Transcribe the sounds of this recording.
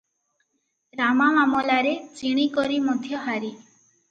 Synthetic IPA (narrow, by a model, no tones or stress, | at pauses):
ɾamamamɔlaɾet͡ʃiɽ̃ikɔɾimɔd̪ʱjɔɦaɾi